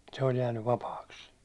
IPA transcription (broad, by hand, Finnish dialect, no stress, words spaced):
se olʲ jæːnːyʋ ʋɑpɑːks